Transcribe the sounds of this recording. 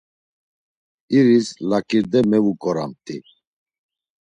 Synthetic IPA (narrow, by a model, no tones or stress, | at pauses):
iɾislakʼiɾd̪ɛmɛvukʼɔɾa̰mt̪ʼi